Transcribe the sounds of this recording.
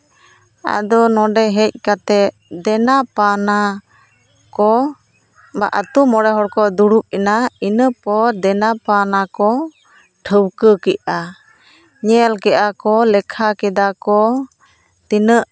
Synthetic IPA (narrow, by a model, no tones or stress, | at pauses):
a̰d̪ɔnɔɖɛɦɛc̚ˀkat̪ɛ | d̪ɛnapana | kɔ | ba̰ʔət̪umɔɽɛɦɔɽkɔd̪uɽup̚inainəpɔɾd̪ɛnapanakɔ | ʈʰəwkəkɛʔa | ɲɛlkɛʔakɔlɛkʰakɛd̪akɔ | t̪inəʔ